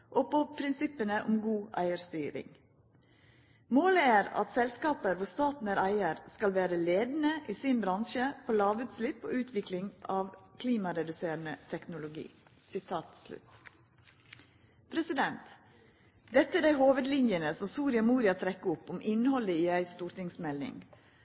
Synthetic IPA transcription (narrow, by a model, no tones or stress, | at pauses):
ʔopopʰɾɪnsɪpənəʔɔmɡuːʔæ̰ɪəɾst̪yːɾɪ̰ŋ | moːləæːɾɑ̰t̪sɛlskɑːpəɾʋʊst̪ɑːt̪n̩æɾæɪəɾskɑlʋæːɾəleːd̪nəʔiːsɪnbɾɑnʃəpʰoːlɑːʋʉːt̪slɪpːo̰ːʉːt̪ʰʋɪklɪŋʔɑːʋkʰliːmɑɾɛd̪ʉseːɾnət̪ʰɛknʊlʊɡḭː | sɪt̪ʰɑːt̪slʉ̰t̪ | pʰɾɛsɪd̪ɛnt̪ | d̪ɛt̪ːəæɖæɪhoːʋəd̪lɪnjənəsɔmsuːɾɪɑmuːɾɪɑt̪ʰɾɛkːəʊpːʊmʔɪnhɔləiːæɪst̪uːɾʈ̪ɪŋsmɛlːɪ̰ŋ